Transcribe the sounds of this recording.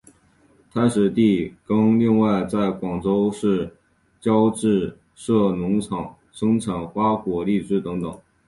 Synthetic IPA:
t̪ʰa˥ʂɻ̩˨˩t̪i˥˩kɤ˥ŋli˥˧ŋwa˥˧ɪt͡sa˥˩ɪkwɑ˨˩ŋʈ͡ʂo˥ʊʂɻ̩˥˩ | t͡ɕjɑ˥ʊʈ͡ʂɻ̩˥˧ | ʂɤ˥˩nʊ˧˥ŋʈ͡ʂʰɑ˨˩˦ŋ | ʂɤ˥ŋʈ͡ʂʰa˨˥˩nxwa˥kwɔ˨˩li˥˧ʈ͡ʂɻ̩˥˩t̪ɤ˧˥ŋt̪ɤ̰˨˩˦ŋ

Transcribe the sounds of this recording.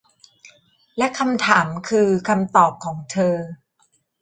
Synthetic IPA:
lɛ˦˥ʔkʰa˧mt̪ʰaː˩˦mkʰɯː˧kʰa˧mt̪ɔː˨˩p̚kʰɔː˩˦ŋt̪ʰɤː˧

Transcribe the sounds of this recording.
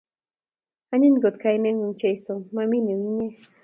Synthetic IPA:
a˦ɲɪ˦nɡo˨t̪ka˨˦i˦nɛ˦ŋu˦nt͡ʃe˦jso˨ma˦mi˦ne˨wi˦ɲe˦

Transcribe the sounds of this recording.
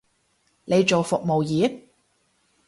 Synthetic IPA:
ne˨˧jt͡ʃo˨wfʊ˨k̚mo˨wjiː˨˥

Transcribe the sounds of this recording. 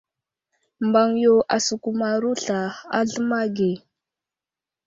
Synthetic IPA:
mba˨ŋjo˦ʔa˨su˨ku˨ma˨ɾu˦ɬa˨a̰˦ɮə˦ma˦ɡe˨

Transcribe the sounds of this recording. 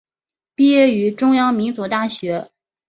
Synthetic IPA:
pi˥˧jɛ˥˩y˧˥ʈ͡ʂʊ˥ŋjɑ˥ŋmi˧˥nt͡su˧˥t̪a˥˩ɕɥɛ˧˥

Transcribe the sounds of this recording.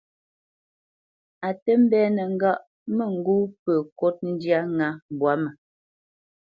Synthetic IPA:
a˨tə˦m̩˦bɛː˦nə˨ŋ̩˦ɡa˦ʔ | mə˦˨ŋ̩˦ɡu˦pə˨ko˦t̚n̩˦dja˦ŋa˨˦bwa˨˦mə˨

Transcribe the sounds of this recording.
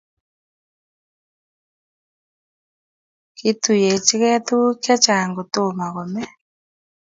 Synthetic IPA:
ki˦tu˨jɛ˨t͡ʃi˦ɣɛ˦t̪u˦kja˦t͡ʃa˨ŋɡo˨to˦˨ma˨ɣɔ˨mɛ˦

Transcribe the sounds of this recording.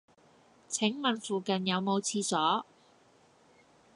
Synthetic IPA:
t͡sʰɪ˨˥ŋmɐ˨nfuː˨kɐ˨njɐ˨˧wmo˨˧wt͡sʰiː˧sɔː˨˥

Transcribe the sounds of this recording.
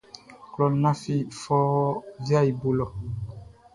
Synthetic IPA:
klɔ˦nã˦fi˦fɔ˦vja˦i˨bo˨lɔ˨

